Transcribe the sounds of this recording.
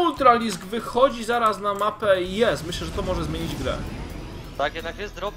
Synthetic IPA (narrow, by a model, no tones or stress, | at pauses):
ult̪ɾalʲisɡvɘxɔd͡ʑizaɾasnamapɛjɛst̪mɘɕlɛʐɛt̪ɔmɔʐɛzmʲeɲid͡ʑɡɾɛ̰ | t̪akjɛd̪nakjɛsɾɔ